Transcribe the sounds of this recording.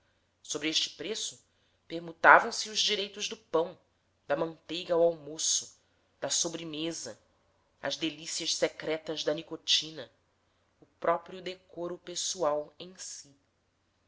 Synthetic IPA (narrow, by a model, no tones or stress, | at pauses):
sobɾieʃt͡ʃɪ̥pɾesʊ | peɾmut̪avɐ̃w̃sɪʊzd͡ʒiɾejt̪ʊʒd̪ʊpɐ̃w̃ | d̪ɐmɐ̃nt̪ejɡɐwawmosʊ̥ | d̪̥ɐsobɾɪmezɐ | ɐ̰zd̪elisiɐʃsekɾɛt̪ɐzd̪ɐnikot͡ʃĩnɐ | ʊpɾɔpɾiʊd̪ekoɾʊpesuawẽj̃si